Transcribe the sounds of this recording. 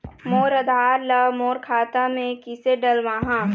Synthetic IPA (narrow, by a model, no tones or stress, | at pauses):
moːɾəd̪ʱaːɾləmoːɾkʰaːt̪amẽkɪseɖəlʋaːɦãː